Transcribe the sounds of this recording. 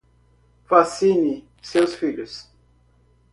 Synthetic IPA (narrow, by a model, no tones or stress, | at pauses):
fasini | sewsfiʎʊs